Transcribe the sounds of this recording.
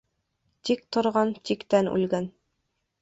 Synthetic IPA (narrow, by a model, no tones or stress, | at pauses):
t̪ik̚t̪ŏɾʁɑnt̪ikt̪ænʉ̰lɡæn